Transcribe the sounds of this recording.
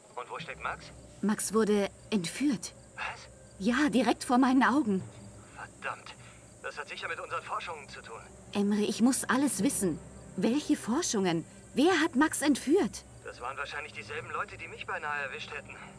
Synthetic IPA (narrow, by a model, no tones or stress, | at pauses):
ʔʊntv̥oːʃtɛk̚tmaks | maksv̥ʊɐdə | ʔɛntfyːɐt | v̥as | jaːdiʁɛk̚tfoːɐmaɪnənʔaʊɡŋ̩ | fɛɐd̥amt | d̥ashatz̥ɪçɐmɪtʔʊnzəʁənfɔɐʃʊŋənt͡sutʰṵːn | ʔɛmʁəɪçmʊsʔaləsv̥ɪsn̩vɛlçəfɔɐʃʊŋən | veːɐɦatmaksɛntfyːɐt | d̥asv̥a̰ːʁənvaːɐʃaɪnlɪçd̥iːzɛlbm̩lɔʏtədiːmɪçb̥aɪnaːəɛɐvɪʃthɛtn̩